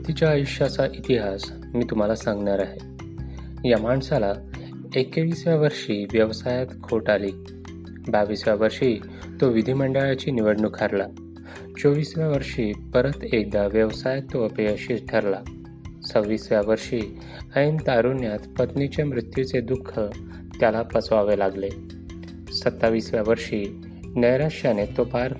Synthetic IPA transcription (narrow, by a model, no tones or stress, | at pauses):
t̪it͡ɕjaːjuɕjat͡saʔit̪iɦas | miːt̪um̤alasãŋɡɳaɾaɦe | jamaɳsala | ekeʋiːsʋjaʋəɾʂiːʋjəʋsajat̪kʰoʈaliː | baʋisʋjaʋəɾʂiː | t̪oʋid̪ʱiməɳɖəɭjat͡ɕiːniʋəɽɳukʰaɾla | t͡ɕoʋisʋjaʋəɾʂiːpəɾət̪ek̚d̪aʋjəʋsajat̪ːoəpeəɕiːsʈʰəɾla | t͡səʋːiːsʋjaʋəɾʂiː | əint̪aɾunjat̪pət̪nit͡ɕemɾut̪jut͡sed̪ukʰːə | t̪jalapəsʋaʋelaɡle | sət̪ːaʋiːsʋjaʋəɾʂiː | nəjɾaʂjanet̪opaɾ